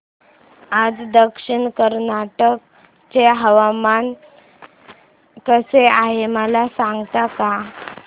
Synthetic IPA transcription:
ad͡zd̪əkʂiɳkəɾnaʈək̚ | t͡seɦəʋaman | kəseaɦeməlasãŋɡt̪aka

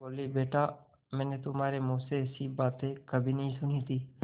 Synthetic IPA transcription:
boːlibeːʈa | mɛ̃ːnet̪ʊmaːɾemũːseɛsibaːt̪ẽkəbʱinɐɦĩsʊnit̪ʰiː

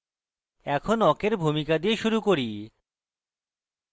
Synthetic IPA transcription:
ɛkʰonɔkeɾbʱumikad̪ieʃuɾukoɾi

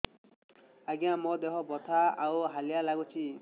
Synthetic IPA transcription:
aɡijãmɔd̪ekʰɔbɔt̪ʰaawɦalijalaɡut͡ʃʰi

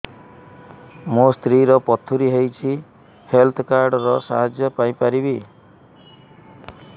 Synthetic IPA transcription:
must̪ɾiɾɔpɔt̪ʰːuɾiɦejt͡ʃʰi | helt̪ʰkaɾɖɾɔsa̰ɦad͡ʒjɔpajpaɾibi

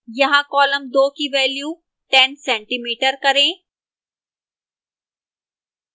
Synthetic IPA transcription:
jɐɦãkɔːləmd̪oːkiʋɛːljuː | ʈɛnsɛ̃ɳʈimiːʈəɾkəɾẽ

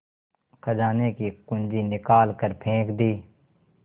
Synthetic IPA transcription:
kʰəd͡ʒaːnekikʊ̃nd͡ʒinɪkaːlkəɾpʰẽːkd̪iː

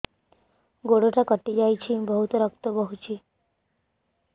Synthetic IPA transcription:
ɡoɽoʈakəʈːid͡ʑajt͡ɕʰiːbəɦut̪ɾəkt̪əbəɦut͡ɕiː

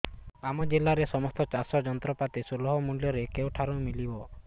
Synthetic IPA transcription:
amɔd͡ʒelaɾesɔmɔst̪ɔt͡ʃasɔd͡ʒɔnt̪ɾɔpat̪isulɔɦɔmuljɔɾekewʈʰaɾumilibɔ

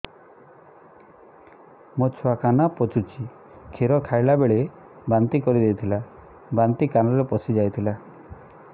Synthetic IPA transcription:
mot͡ʃʰuakanapɔt͡ʃut͡ʃʰi | kʰeɾɔkʰajlabeɭe | bant̪ikɔɾid̪ejt̪ʰila | bant̪ikanɔɾepɔsid͡ʒajt̪ʰila

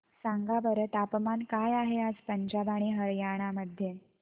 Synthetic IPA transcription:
saŋɡabəɾət̪apmankajaɦead͡zpəɲd͡ʑabaɽ̃iɦəɾjaɽ̃aməd̪ʱːje

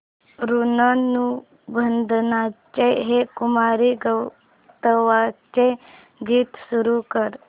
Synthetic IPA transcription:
ɾunənu | bʱənd̪ʱnat͡ɕeɦekumaɾiɡəw | t̪əʋat͡ɕe | ɡiːt̪suɾukəɾ

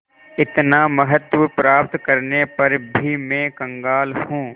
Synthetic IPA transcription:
ɪt̪namɐɦət̪wəpɾaːpt̪kɐɾnepɐɾbʱimẽːkɐ̃ŋɡaːlhũː

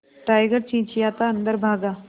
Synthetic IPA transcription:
ʈaːjɡəɾt͡ʃĩːt͡ʃijaːt̪aɐnd̪əɾbʱaːɡaː

